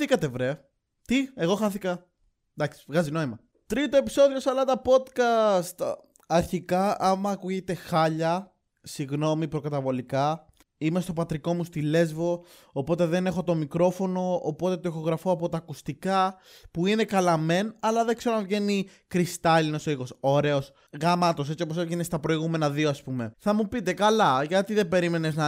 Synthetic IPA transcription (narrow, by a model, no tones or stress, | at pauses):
θikɐt̪evɾe̞ɐ | t̪ie̞ɣo̞xɐθikɐ | d̪ɐksi̥vɣɐzino̞imɐ | t̪ɾit̪o̞e̞pi̥so̞ðio̞sɐlɐt̪ɐpo̞d̪kɐst̪ | ɐɾçikɐɐmɐːkuʝet̪e̞xɐʎɐ | siɣno̞mipɾo̞kɐt̪ɐvo̞likɐ | ime̞st̪o̞pɐt̪ɾiko̞must̪ile̞zvo̞ː | po̞t̪e̞ðe̞ne̞xo̞t̪o̞mikɾo̞fo̞no̞ːpo̞t̪e̞t̪oixo̞ɣɾɐfoɐpo̞t̪ɐːkust̪ikɐ | puine̞kɐlɐme̞nɐlɐðekse̞ɾonɐvʝe̞nikɾist̪ɐlinosoixo̞so̞ɾe̞o̞s | ɣɐmɐt̪o̞s̬e̞t͡sio̞p̬osevʝenest̪ɐpɾo̞iɣume̞nɐðioɐspume̞θɐmupit̪e̞kɐlɐʝɐt̪iðe̞be̞ɾime̞ne̞znɐ